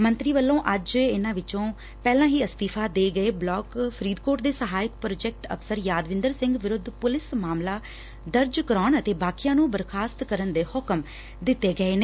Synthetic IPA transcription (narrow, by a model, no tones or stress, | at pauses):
mənt̪ɾiːʋəlːõːʔəd͡ʒɪnãːʋɪt͡ʃõː | pɛːlãːɦiːəst̪iːpʰaːd̪eːɡəeːblɔːkpʰəɾiːd̪koːʈd̪eːsəɦaːɪk̚pɾoːd͡ʒɛk̚ʈə̰fʰsəɾjaːd̪ʋɪ̃nd̪əɾsɪ̃ŋɡʋɪɾʊd̪ʱːpʊlɪsmaːmlaː | d̪əɾd͡ʒkəɾaːɳət̪eːbaːkijãːnũːbəɾkʰaːst̪kəɾənd̪eːhʊkəm | d̪ɪt̪ːeːɡəeːneː